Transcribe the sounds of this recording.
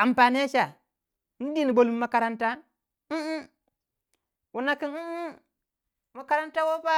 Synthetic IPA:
a˨mpa˨ni˦e˦t͡ʃa˨ | ni˦di˦ni˨bo˨lu˦mː˦a˨ka˨ɾa˦nta˦n̩˦ | wu˨na˦ki˦n̩˦ | ma˨ka˦ɾa˦nta˦wo˦pa˦

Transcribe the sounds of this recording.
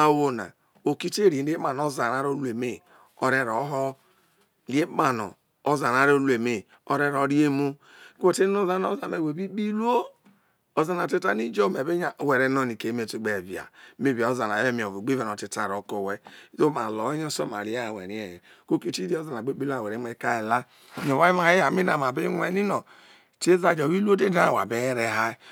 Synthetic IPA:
a˨wo˨na̰˨ | o˨ki˦te˦ɾi˨˦i˦a˨n˨o˦za˨ɾa˦ɾo˦lu˦e˨me˦˨ | o˦ɾe˦ɾo˨˦ɦɔ˦ | e˦ma˨no̰˨ | o˦za˨ɾa˨ɾo˦lu˦e˨me˨ | o˦ɾe˦ɾo˨˦ɾi˦e˦mu˦ko˦te˦o˦za˦no˦za˨n˨e˨we˨bi˦bi˦lu˦o˦ | o˦za˨na˨ti˦ta˦ni˦d͡ʒo˦me˨be˦ɲa˦˨we˨ɾe˦no˦ni˨ke˨˦me˨tu˦ɡ͡be˨vi˨a̰˨˦me˦˨vi˨o˦za˨na˨˦e˦mi˨o˨vo˨ɡ͡bi˦ve˨no˨ti˦ta˦˨ɾo˨ko˨we˦zo˦ma˨lo˨˦ɲ˦o˦so˦˨ma̰˨ɾi˨˦a˦˨wḛ˨ɾi˨˦e˨j | ko˦ki˦˨ti˦ɾi˦o˦za˨n˨a˨ɡ͡be˦bi˦la˦˨we˨ɾe˦e˦˨ka˦e˨la˦˨ | ɲo˨wa˦i˦ma˨˦e˦a˨mi˦na˨ma˨be˦ŋʷe˦˨ni˦no˨ | te˦za˨d͡ʒo˨wi˦lu˦o˦de˦da˦˨wa̰˨be˨˦ɾe˦ɦa˦

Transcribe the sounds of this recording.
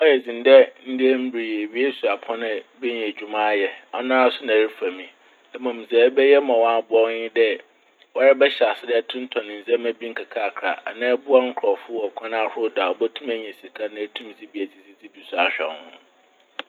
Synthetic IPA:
ɔ˦jɛ˨d͡zĩ˨n˦dɛ˦n̩˦dɪ˦ɛ˦m̩˦bi˨ɾi˨e˨ɥi˦e˦su˨a˨pʰɔ̃˦nɪ̃˦bɪ˦ɲɛ̃˨d͡ʑᶣu˨mã˦jɛ˦ɔ˦nã˦a˦sʊ˦nã˨ɾi˦fa˨mĩ˨ | ɛ˨mã˨m̩˨za˨˦bɛ˦jɛ˦mã˨wã˦˨bɔ˦ɲɪ̃˦dɛ˦ | wa˦ɾɛ˦bɛ˦ɕa˨sɪ˦dɛ˦ɛ˦tʰʊ̃˦n˦tʰɔ̃˨nɪ̃˨n̩˨zɛ̃˦mæ̃˦bi˦ŋ̩˦kʰa˨kʰa˦˨kʰɾa̰˨ʔa˨nã˦ɛ˦bu˦a˦ŋ̩˦kʰɾɔ˨fʊ˦ɔ˨kʰʷã˦nã˦˨hʊ˦da˨ɔ˨bɛ˦tʰũ˦mæ˦ɲ˨ɛ̃˨si˨kʰa˦nã˦tʰũ˦m˦d͡zi˦bi˨æ˨d͡zi˦d͡zi˦d͡zi˦bi˨su˨a˨ɕᶣɛ̰˨˦hʊ̃˦

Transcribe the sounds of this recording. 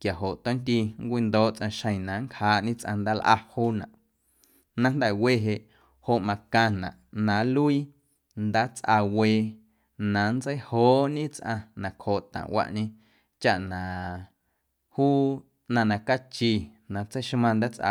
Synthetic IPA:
kja˨ɦo˨ʔt̪õ˦nt̪i˧ŋkʷi˧nd̪oː˦ʔt͡sʔã˧ʃə̃˧˨j̃nã˨˦ŋkhaː˨˦ʔɲĩ˦t͡sʔã̰˧nd̪aː˦lʔa̰˦˧huː˦nã˨ʔ | nã˦nd̪ɛ˦˨we˧˨ɦe˧ʔ | ho˧ʔmã˧kã˧nã̰˨ʔnã˨˦lu˦i˦ | nd̪aː˦t͡sʔa˧weː˧ | nã˨˦nd͡zə˦jhoː˨˦ɲĩ˦t͡sʔã˧nã˨khoː˨ʔt̪ã̰˨wʔa̰˧ʔɲẽ˧ | t͡ʃa˦ʔnã˨ | huː˦ | nã˧nã˨ka˦t͡ʃi˧˨ | nã˨t͡sə˦jʃmã˧nd̪aː˦t͡sʔa̰˧˨

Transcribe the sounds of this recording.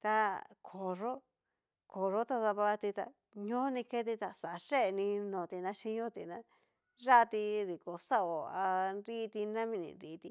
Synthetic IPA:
t̪a˧kʰo˨ʐo˦ | kʰo˨ʐo˦t̪a˧ða˧βa˧t̪i˧t̪a̰˧ | ɲõ˦nĩ˧ke˦t̪̬i˧t̪a˧sa˨˧ʂe˦˨˧nĩ˧nõ˨t̪i˧nã˦ʃi˦ɲõ˦t̪i˨nã˦ | ʐa˦˧t̪i˧ði˨ko˨sa˦o˨a˧nɾi˦˧t̪i˧nã˦mĩ˧nḭ̃˧nɾi˧t̪i˧

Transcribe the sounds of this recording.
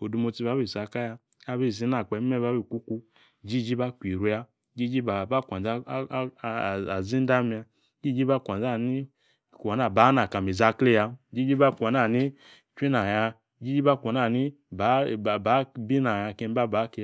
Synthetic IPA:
o˨du˧mo˧ti˧˦ba˨˦bi˨sa˨ka˦ja˧ | a˦bi˦˨zi˨˦na˨k͡pɛ˨˦e˦ba˦bi˨kʷu˦ku˧ | d͡ʒi˦d͡ʒi˦ba˦kʷi˨ɾu˧˦ja˧ | d͡ʒi˦d͡ʒi˦ba˨ba˦˨kʷa˨n˨za˦˨a˨zi˦n˦da˦mi˧a˧˦ | d͡ʒi˦d͡ʒi˦ba˦˨kʷa˨n˨za˦˨ni˦˨ | kʷa˨na˦˨ba˨˦na˨ka˨mi˨za˧kle˦˨ja˧d͡ʒi˦d͡ʒi˦ba˦˨kʷa˨na˦˨ni˦ | t͡ʃʷi˦na˨ja˧ | d͡ʒi˦d͡ʒi˦ba˦˨kʷa˨na˦˨ni˦ | ba˨˦˨ba˨˦bi˦na˨ja˧˨ke˧m˦ba˦ba˨˦ke˧

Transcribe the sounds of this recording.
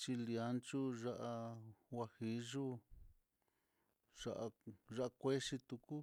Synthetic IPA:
t͡ʃi˧li˧a˧˦nt͡ʃu˦ʐa˦ʔa˧wa˧hi˧ʒu˦ | ʐ̥a˧ʔa˧ʒa˦a˧kʷe˦ʂi˧t̪u˧ku˦

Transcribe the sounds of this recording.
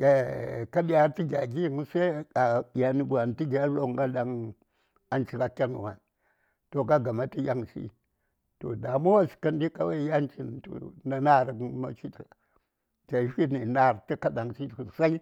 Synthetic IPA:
e˨ka˦di˦ja˦ɾti˦ɡʲa˨ɡi˦˨ŋ˦sa˦a˨ja˨ni˨ɡu˨a˨n˨ti˦ɡa˨˦lo˦ŋ˦ɡa˦da˨ŋ | a˨nt͡ʃi˨ka˨kʲa˦nṵ˨wa̰˨n | to˨ka˦ɡa˨ma˦ti˦ja˦ŋsḭ˦ | to̰˨da˨mo˦wa˦si̥˨ka˦ndi˦ka˦wa˦ja˦nt͡ʃi˦n˨to̰˨na˨na˦˨ɾa˨kma̰˦ʃi˦ta˨ | t͡ʃa˨˦fi˦ni˨na˦˨ɾti˦ka˦ɗa˨ŋsi˦tsa˦i˦

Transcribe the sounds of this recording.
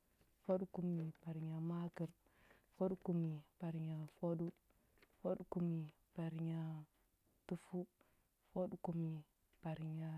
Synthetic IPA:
fo˦du˦ku˦mi˨pa˨ɾɲa˨ma˦ki˨ɾ | fo˦ɗu˦ku˦˨mi˨pa˨ɾɲa˨fo˦du˦ | fo˦ɗu˦ku˦mi˨ | pa˨ɾi˨ɲa˨ | tu˦fu˦ | fo˦du˦ku˨mi˨ | pa˨ɾɲa˨

